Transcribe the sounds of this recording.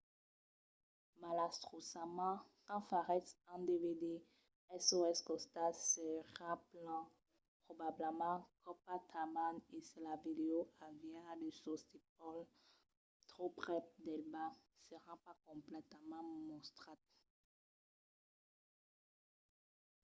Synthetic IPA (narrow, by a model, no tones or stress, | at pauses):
malast̪χosamɑ̃kɑ̃faʁɛt̪ɛ̃d̪eved̪e | ɛsoɛskɔst̪asəʁaplɑ̃ | pχɔbabləmɑ̃kɔpat̪ʰamanesəlaved̪eoʔavjad̪əsɔst̪ip̚ɔl | t̪χopχɛpd̪ɛlbasəʁɑ̃pakɔ̃plɛt̪əmɑ̃mɔ̃st̪χat̪̚